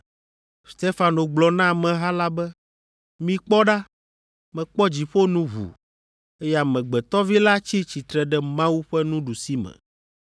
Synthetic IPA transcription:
st̪e˦fa˨no˨ɡ͡blɔ˨nã˦mɛ̃˨ɦa˦la˦bɛ˦ | mĩ˦k͡pɔ˦ɖa˦ | mɛ̃˨k͡pɔ˦d͡ʑi˨ɸo˦nũ˦ɦṵ˨ | e˦ja˨mɛ̃˨ɡ͡bɛ˨t̪ɔ˦vi˦la˦t͡ɕi˦t͡ɕi˨t̪ɾɛ˨ɖɛ˦mã˦wu˦ɸɛ˦nũ˦ɖu˨si˦mɛ̰̃˨

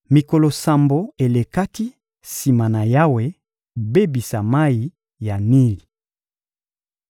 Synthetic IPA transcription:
mi˨ko˨lo˨sa˨mbo˨e˨le˨ka˦ki˦ | si˨ma˨na˨ja˦we˨˦ | be˦bi˨sa˨ma˦ji˨ | ja˨ni˦li˨

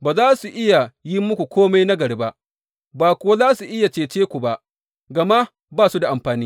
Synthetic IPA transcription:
baː˨zaː˦su˨ʔɪ˦ja˨ji˦mʊ˦kʷu˨kʷoː˦ma˦jna˦ɡɐ˨ɽeː˦ba˦ʔ | baː˨kʷo˦a˦zaː˦su˨ʔɪ˦ja˨t͡ʃeː˨t͡ʃeː˦kʷu˨ba˦ʔ | ɡɐ˨ma˦ | baː˦su˦da˨ʔa˨mɸaː˨niː˦

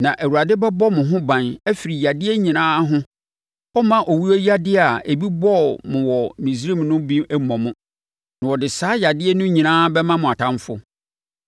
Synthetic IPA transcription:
nã˨ʔæ˨wu˨a˨dɪ˦bɛ˦bɔ˦mʊ̃˨ɦʊ̃˦bã˨næ˦fi˨ɾi˨ja˨dɪ˦ɛ˦ɲĩ˨nãː˦ɦʊ̃˦ | ɔ˦mã˦ʔɔ˨wu˦o˦ja˦dɪ˦˨a˨e˨bi˦bɔ˦˨mʊ̃˨wɔ˨mĩ˨s̬ɾi˦˨mnʊ̃˦bĩ˦ɛ˦mɔ̃˨mʊ̃˦ | nʊ̃˨wɔ˨dɪ˨saː˨˦ja˨dɪ˦ɛ˦nʊ̃˦ɲĩ˨nãː˦bɛ˦mã˦mʊ̃˨a˨tʰã˦m˦fʊ̰˦

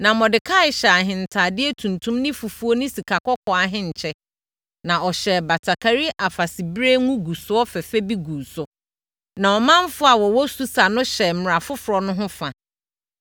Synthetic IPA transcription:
nã˨mɔ̃˨dɪ˨kʰa˦ɪ˨ɕɛ˨a˨ɦɪ̃˨n̩˨tʰa˨dɪ˦ɛ˦tʰũ˨ntʰũ˦mnɪ̃˦fu˨fu˦o˦nʊ̃˦si˨kʰa˨kɔ˦kʰɔ˨a˨ɦɪ̃˦ɲ̩˨t͡ɕʰɛ˦ | nã˨ɔ˨ɕɛ˨ba˨tʰa˨kʰa˨ɾi˦ʔa˨fa˨sɪ˨bɾe˦ŋũ˦ɡu˨sʊ˨˦ɔ˦fɛ˨fɛ˦bi˦ɡu˨sʊ˨ | nã˨ɔ˨mã˦m˦fʊ˦a˨wɔ˨wɔ˦su˦sa˨nʊ̃˦ɕɛ˨m̩˨ɾa˨fʊ˦fʊ˨ɾɔ˨nʊ̃˦ɦʊ̃˦fa˨

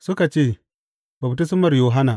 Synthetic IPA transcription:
sʊ˦ka˨t͡ʃeː˦˨ | ba˨bti˦sʊ˦mɐ˨rjoː˨ɦa˦na˨

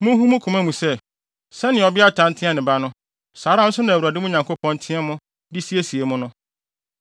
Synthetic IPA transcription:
mʊ̃˦ɦũ˦mũ˦kʰʊ̃˨mã˦mũ˨sɛ˦˨ | sɛ˦nɪ̃˨ɔ˨bɪ˦a˦tʰã˨˦n̩˦tʰɪ̃˦ɛ˦˨nɪ̃˨ba˦nʊ̃˦ | saː˨ɾã˦n̩˦sʊ˦nã˨æ˨wu˨a˨dɪ˦mʊ̃˦ɲã˨ŋkʰo˦pʰɔ̃˦n˦tʰɪ̃˦ɛ˦mʊ̃˦ | dɪ˦si˦e˦si˨e˨mʊ̃˦nʊ̃˦

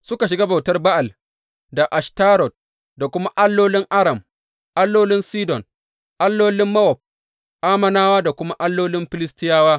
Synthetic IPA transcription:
sʊ˦ka˨ʃɪ˨ɡa˦ba˨wtɐ˦rba˦ʔa˨l | da˨ʔa˨ʃtaː˦ɾɔ˨t̚ | da˨kʷʊ˦ma˦ʔa˦lːoː˦lɪ˦ŋʔa˦ɽɐ˨m | ʔa˦lːoː˦lɪ˦nsiː˦dɔ˨n | ʔa˦lːoː˦lɪ˦mːɐ˦wɔ˨ɸ̚ | ʔaː˦mɐ˨naː˦waː˦da˨kʷʊ˦ma˦ʔa˦lːoː˦lɪ˦mɸɪ˦lɪ˦stɪ˦jaː˦waː˦

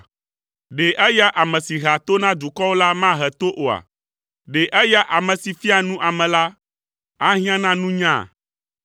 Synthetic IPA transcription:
ɖe˨ʔɛ˦ja˦ʔa˨mɛ̃˨si˨ɦa˨t̪o˦nã˦d̪u˨kɔ˦wo˦la˦mã˦ɦɛ˨t̪o˦ʔo˨a̰˨ | ɖe˨ʔɛ˦ja˦ʔa˨mɛ̃˨si˨fi˦a˨nũ˦ʔa˨mɛ̃˨la˦ | a˦ɦĩ˦ã˦nã˦nũ˦ɲã˦˨

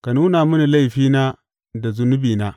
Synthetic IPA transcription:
ka˨nu˦na˨mu˦ni˨la˦jɸiː˦na˦ | da˨zʊ˦nʊ˦biː˨na˦

